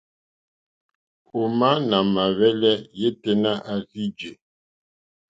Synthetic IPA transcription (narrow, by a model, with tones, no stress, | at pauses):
o˨ma˦na˨ma˨βɛ˦lɛ˦je˦te˦na˦ʔa˨si˦d͡ʒe˨